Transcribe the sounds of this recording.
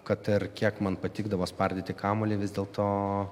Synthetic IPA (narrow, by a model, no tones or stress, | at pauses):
kɐt̪ɪrkʲiɛkmɐnpɐt̪ʲiːɡd̪ɐʋoːspɐrʲd̪ʲet̪ʲɪkɑːmoːlʲeːʋʲɪzd̪ʲeːlˠt̪oː